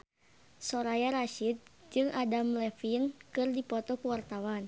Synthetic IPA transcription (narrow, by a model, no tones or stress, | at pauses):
sɔɾajaɾaʃit̪̚d͡ʒɨŋadamlɛfinkɨrdipɔt̪ɔkuwart̪awan